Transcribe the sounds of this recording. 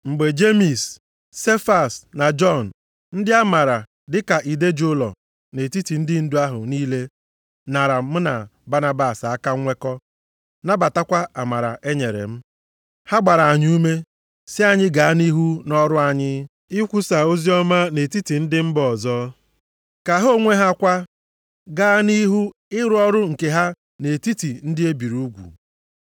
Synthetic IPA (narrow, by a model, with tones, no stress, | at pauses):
ŋ͡m̩˨ɡ͡be˨d͡ʒe˦mi˨sː | e˦fa˨sna˨d͡ʒɔ˦˨n̩˨ | n̩˦dɪ˦a˦ma˨ɾa˨ | dɪ˦ka˨ʔi˨de˦d͡ʒo˦lɔ̰˨ | ne˨ti˦ti˨n̩˦dɪ˦n̩˦dʊ˦a˦ɦʊ̰˨niː˦le˦ | na˨ɾa˨m̩˦na˨ba˦na˦ba˨sa˦ka˦ŋʷe˦kɔ˦ | na˦ba˨ta˦kʷa˦a˨ma˨ɾa̰˨ʔe˦ɲe˨ɾḛ˨m̩˦ | ha˦ɡ͡ba˨ɾa˨a˨ɲ˦u˦me˦ | sɪ˦a˦ɲɪ˦ɡa˨a˦ni˦ɦu˦nɔ˦ɾʊ˦a˨ɲɪ˦ | ɪ˦kʷu˦sa˨o˦zi˦ɔ˦ma˦ne˨ti˦ti˨n̩˦dɪ˦m̩˦bɔ˨zɔː˦ | ka˨ɦo˦˨ŋʷe˦ɦa˦kʷa˦ | ɡa˦ni˦ɦu˦ | ɪ˦ɾʊ˦ɔ˦ɾʊ˦ŋ̩˨ke˨ɦa˦ | ne˨ti˦ti˨n̩˦dɪ˦e˦bi˨ɾuu˦ɡʷṵ˨